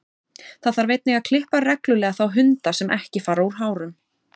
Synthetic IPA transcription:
θaðθaɾvɪjt̪nɪɣaðkʰl̥ɪhparɛklʏlɛːɣaθawɦʏnt̪asɛmʔɛhcɪfaːɾauɾ̥ɦaːwɾʏm

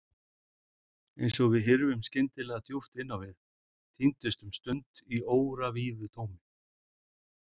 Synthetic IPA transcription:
ejnsɔɣvɪðɦɛɾvʏmscɪnt̪ɪlɛːɣaθʰjuft̪ɪnːawvɪð | t̪ʰint̪ʏst̪ʏmst̪ʏnt̪ioːwɾaviːðʏt̪ʰoːwmɪ

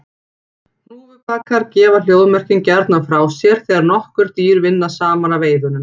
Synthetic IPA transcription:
nuːɪpʰakʰːaɾcɛːval̥joːwðmɛr̥cɪncɛɾt̪nafɾaːwsjɛɾ̥θɛːɣaɾnɔhkʏɾ̥t̪iːɾvɪnːasaːmanaveːjðʏnʏm

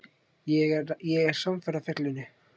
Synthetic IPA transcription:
jɛɣɛɾjɛɣɛɾ̥samfɛrafɛhk̪lɪnɪ

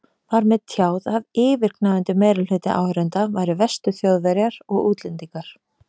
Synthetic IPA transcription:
vaɾmɛðt̪ʰjaːwðaðɪːvɪɾ̥knaðʏnt̪ɪmeːjɾʏlhʏt̪ɪ̰ʔa̰whɾʏnt̪avajɾʏvɛst̪ʏθjowðvɛɾjaɾ̥ɔɣuːt̪lɛnt̪iŋkaɾ̥

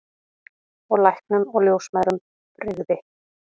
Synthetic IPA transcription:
ɔɣlajhk̚nʏmɔɣljowsmajɾʏm | ɾɪɣðɪ

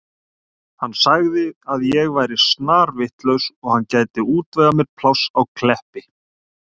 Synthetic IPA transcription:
hanːsaɣðɪaðjɛɣvajɾɪsnaːɾvɪht̪lœɥwsɔɣhanːcaːjt̪ɪuːt̪vɛɣamjɛɾ̥pʰlawsawkʰlɛhpɪ

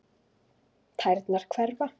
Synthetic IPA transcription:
t̪ʰajɾt̪naɾ̥kʰvɛɾva

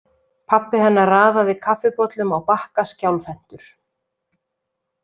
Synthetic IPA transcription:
pʰapːɪhɛnːaraːðavɪkʰafɪpɔt̪lʏmawpahkascawlfɛn̥t̪ʏɾ̥

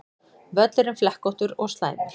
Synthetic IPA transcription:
vœt̪lɪɾʏmflɛhkɔwht̪ʏɾɔst̪la̰ːjnɪ

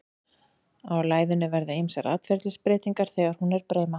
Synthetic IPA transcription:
awlaːjðʏnʏvɛɾðʏejmsɛɾʔa̰ːt̪fɛɾt̪lɪspɾɪːt̪iŋkaɾ̥θɛːɣaɾ̥hunɛɾpɾeːjma

